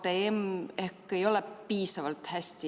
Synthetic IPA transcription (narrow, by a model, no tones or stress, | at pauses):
t̪eemehkːˑe̞jo̞lɛpiːsɑvɑlt̪hæsʲt̪i